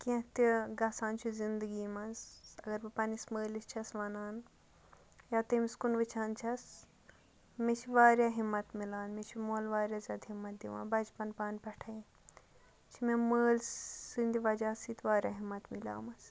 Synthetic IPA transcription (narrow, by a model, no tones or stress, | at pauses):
kẽt̪iɡɐːsaːnt͡ʃʰuzind̪ɨɡiːmɐsɐɡɐɾbipɐnisməːlist͡ʃʰɐsʋɐnaːn | jaːt̪ɐmskunʋɨt͡ʃʰaːnt͡ʃʰɐs | met͡ʃʰiʋaːɾjaːɦimːɐt̪milaːnmet͡ʃʰimoːlʋaːɾjaːzʲaːd̪ɦimːɐt̪̚d̪iʋã̰ːbɐt͡ʃpɐnpaːnʲpɐʈʰɐi | t͡ʃʰimeməːlinʲd̪iʋɐd͡ʒaːsit̪ʋaːɾʲjaːɦimːɐt̪mila̰ːmɐs